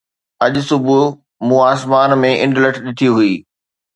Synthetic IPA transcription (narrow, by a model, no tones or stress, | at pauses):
ɐʄʊ̆sʊbʱʊ | mũːaːsmaːnmẽʔɪ̃ɳɖləʈʰɗɪt̪ʰiɦuiː